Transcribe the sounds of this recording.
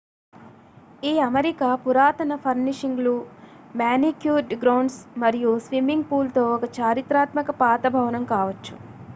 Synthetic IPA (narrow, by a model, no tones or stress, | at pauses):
iːɐmɐɾikaːpuɾaːt̪ɐnɐpʰɐɾniʂiŋɡlu | maːnikjuːɖɡɾɐwɳɖsmɐɾijusʋimiŋɡ̚puːlt̪o̞ːɔkɐt͡ʃaːɾit̪ɾaːt̪mɐkɐpaːt̪ɐbʱɐʋɐnɐmkaːʋɐt͡ʃːu̥